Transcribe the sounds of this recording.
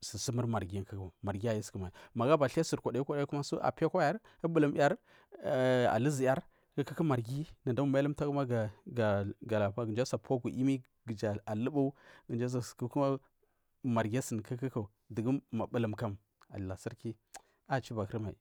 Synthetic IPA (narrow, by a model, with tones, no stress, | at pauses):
si˨si˦mə˦ɾma˨ɾɡi˨˦kə˦kma˨ɾɡi˦a˨ji˦skə˦ma˨i˨ma˨ɡa˦ba˨ɬa˦su˨ɾkʷa˨da˨˦i˦kʷa˨da˦ku˦ma˦su˦ʔa̰˨pe˦kʷa˦ja˦ɾ | ə˦bu˦lə˨m˦a˦ɾ | a̰˨lə˦zi˨ja˦ɾ | kə˦kə˦kə˦ma˨ɾɡi˦na˨nda˦mu˦ma˦ə˦mta˦ku˦ma˦a˨ɡa˨ɡa˨la˨pa˦ɡə˨d͡ʒa˦sa˨pʰo˦ɡu˨ʔi˦mi˦ | ɡə˨d͡ʒa˨a˨lə˦ba˦u˦ɡə˨nd͡ʒa˦s̬ḁ˨ku˦ku˦ma˦ | ma˨ɾɡʲa˦sə˨nkə˦kə˦ka˨ | də˨ɡə˦ma˨bə˨lə˨mka˦m | a̰˨a˨si˦ɾki˦ | a˨t͡ʃi˦ba˨kɾma˨ḭ˨